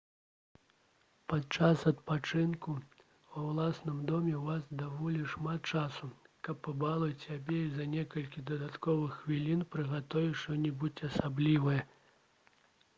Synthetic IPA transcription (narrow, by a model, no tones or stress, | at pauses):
pat̪t͡ʂasɐt̪̚pat͡ʂɨnku | vɐwlˠasnɨmd̪ɔmʲɛvasd̪avɔlʲiʂmat̪̚t͡ʂasukɐpːabalˠɐsʲabʲɛizɐnʲɛkɐlʲkʲid̪ɐd̪at̪kɔvɨxvʲilʲinpɾɨɣat̪ɔvʲiʂɔnʲibut͡sʲɐsablʲivɐjɛ